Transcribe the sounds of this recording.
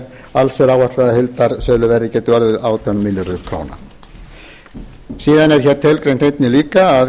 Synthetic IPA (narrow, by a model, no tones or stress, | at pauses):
alsɛɾaːwaht̪laðahɪlt̪aɾ̥sœːlʏvɛɾðɪcɛːt̪ʏvaɾðɪðaːwt̪ʰœnmɪljʏɾʏðkʰɾo̰ːwna̰ | siːðanɛɾ̥çɛːɾt̪ʰɪlkɾejnt̪ejt̪nɪliːkaːð